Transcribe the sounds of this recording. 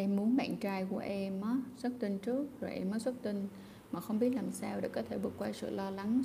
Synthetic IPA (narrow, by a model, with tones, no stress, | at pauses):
ʔɛ˧mːu˨˦ənɓa̰ː˧˨nt͡ɕaː˧jku˧˩əʔɛ˧mʔaː˨˦swə˦˥t̚t̪i˧nt͡ɕɨ˦˥ək̚zo˨˩jʔɛ˧mːəː˨˦jswt̚t̪ï˧n | maː˨˩xə˧wŋ͡mɓi˦˥ət̚laː˨˩msaː˧wɗḛ˧˥kɔː˨˦t̪ʰe˧˩ɓɨ˨˩ək̚wa˧jsɨ̰˧˨lɔ˧la˨˦ŋ